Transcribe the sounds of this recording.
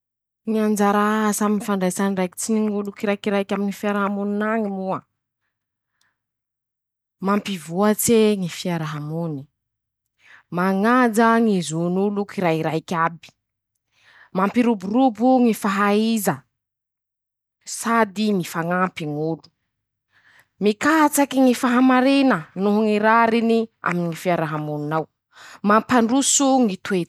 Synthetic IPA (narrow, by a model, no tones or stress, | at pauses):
ŋiand͡ʒaɾasaminifaɳɖ͡ʐajsanɖ͡ʐajki̥t͡siniŋulukiɾajkiɾajkʲaminifiaɾaɦamuninaŋimua | mampivuat͡seŋifiaɾaɦamuni̥ | maŋad͡zaŋizunulukiɾaiɾajkʲabi̥ | mampiɾuburubuŋifaɦaizə | sad̪iŋifaŋampiŋulu̥ | mikat͡sakiŋifaɦamaɾinənoɦuŋiɾaɾinia̰miniŋifiaɾaɦamuninaw | mampaɳɖ͡ʐusuŋit̪wet̪